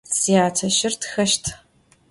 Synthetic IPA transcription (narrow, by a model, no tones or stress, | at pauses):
sijaːtʰɐʃɪrtxɐʃtʰ